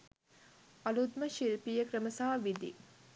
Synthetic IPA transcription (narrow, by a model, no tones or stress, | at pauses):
ɐlud̪̚məʃilpijəkɾəməsaɦaʋid̪ḭ